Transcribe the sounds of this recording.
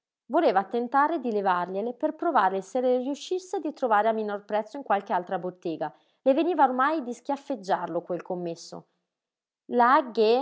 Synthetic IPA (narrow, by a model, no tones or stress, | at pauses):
voleːvat̪ent̪aːɾed̪ilevarʎeleperpɾovaːɾleselerijuʃːisːed̪it̪ɾovaːɾeamːinorpɾɛt̪sːoiŋkwalk̟ealt̪ɾabot̪ːɛːɡa | leveniːvaormajd̪isk̟jafːed͡ʒːarlokwelkomːesːo̰ | laɡe